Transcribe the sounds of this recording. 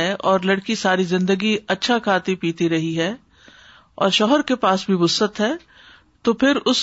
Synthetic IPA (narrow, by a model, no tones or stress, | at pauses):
ɛʔɔːɾlɐɽkisaːɾizɪ̃nd̪əɡiɐtːʃʰakʰaːt̪ipiːt̪iɾɐɦiɦɛː | ɔ̰ːɾʃɔːɦəɾkepaːsbʱibʊsət̪ɦɛː | t̪oːpʰɪɾʊs